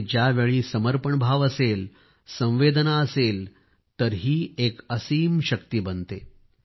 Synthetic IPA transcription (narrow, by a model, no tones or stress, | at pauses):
d͡ʑjaʋeɭiːsəməɾpəɳbʱaʋəsel | sə̃w̃ʋed̪naəsel | t̪əɾɦiːekəsiːmɕək̚t̪iːbənt̪e